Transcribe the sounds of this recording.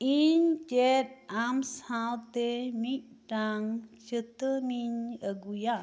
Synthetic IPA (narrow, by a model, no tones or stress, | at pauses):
iɲd͡ʒɛt̪̚amsawt̪emic̚daŋt͡ʃət̪əmiɲəɡuja